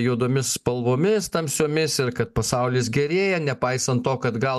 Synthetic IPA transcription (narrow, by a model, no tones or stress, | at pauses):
juːd̪oːmʲɪsspɐlˠʋoːmʲɪst̪ɐmsʲoːmʲɪsɪrkɐt̪̚pɐsɐʊlʲɪːs̬ɡʲɛɾʲeːjɛnʲɛpɐɪsɐnt̪ːoːkɐd̪ɡɐlˠ